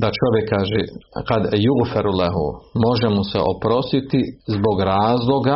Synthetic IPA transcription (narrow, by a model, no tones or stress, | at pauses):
d̪at͡ʃo̞ʋjekʰːaːʒekad̪juɣfaɾulaɦṵmo̞ʒemusḛʔo̞pɾo̞st̪it̪izbo̞ɡɾaːzlˠo̞ɡa